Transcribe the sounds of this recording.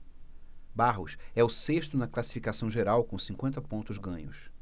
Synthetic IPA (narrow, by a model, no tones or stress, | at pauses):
baɦʊ̰sɛʊseʃt̪ʊnɐklasi̥fikasɐ̃w̃ʒeɾawkõw̃sĩŋkwẽnt̪ɐpõnt̪ʊzɡɐ̃ɲʊs